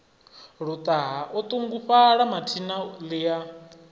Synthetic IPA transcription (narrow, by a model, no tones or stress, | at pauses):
ɺut̪ʼaɦaʔɔt̪ʼuŋɡuɸaɺamatʰinalija